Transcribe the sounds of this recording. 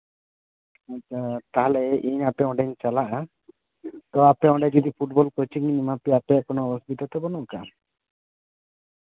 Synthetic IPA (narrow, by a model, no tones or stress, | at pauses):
at͡ʃʰat̪aɦalɛɛʔiɲapɛɔ̃ɖɛɲt͡ʃalaʔa | t̪ɔapɛɔ̃ɖɛd͡ʒɔd̪ipʰuʈbɔlkɔt͡ʃiŋinimapɛapɛaʔkɔnɔbɔsbid̪ɔt̪ɛbɔnuka